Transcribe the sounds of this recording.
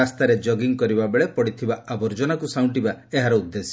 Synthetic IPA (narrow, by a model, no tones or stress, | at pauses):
ast̪aɾed͡ʒɔɡiŋkɔɾibabeɭepɔɽit̪ʰibaʔabɔɾd͡ʒɔnakusaw̃ɳʈibaeɦaɾɔud̪ːesi̥